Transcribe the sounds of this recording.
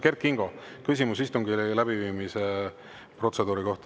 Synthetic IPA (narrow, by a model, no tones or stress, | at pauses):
kerkˑːiŋɡ̥o̞ | kysʲimusist̪uŋɡilæbiviːmise | pro̞t̪se̞d̪uːɾiko̞ht̪